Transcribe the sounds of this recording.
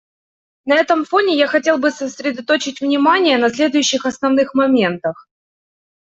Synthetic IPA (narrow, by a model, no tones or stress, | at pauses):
nɐɛt̪əmfo̞nʲɪjaxɐtʲe̞lˠbɨsəsʲɾʲɪd̪ɐt̪ot͡ɕɪtʲvnʲɪmanʲɪjənɐsʲlʲe̞d̪ʊjʉɕːɪxɐsnɐvnɨxmɐmʲe̞nt̪əx